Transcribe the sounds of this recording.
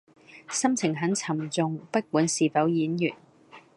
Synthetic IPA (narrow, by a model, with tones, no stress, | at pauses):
sɐ˥mt͡sʰɪ˨˩ŋɦɐ˨˥nt͡sʰɐ˨˩mt͡sʊ˨ŋpɐ˥t̚kuː˨˥nsiː˨fɐ˨˥wjiː˨˥njyː˨˩t̚